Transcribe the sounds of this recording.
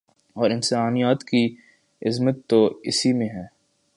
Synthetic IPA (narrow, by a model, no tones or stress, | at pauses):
ɔːɾɪ̃nsaːnijaːt̪ki | ɪzmət̪ːoɪsimẽɦɛː